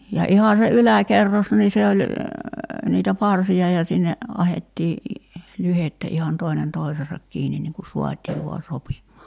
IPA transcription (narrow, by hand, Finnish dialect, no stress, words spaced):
jɑ ihɑ se ylækerːos niː se olʲ niːtæ pɑrsiɑ jɑ sinːe ɑhetːiː lyhetːæ ihɑn toinen toi̞seːsɑk kiːnin niŋ ku suɑtʲiː ʋuɑ sopimˑɑː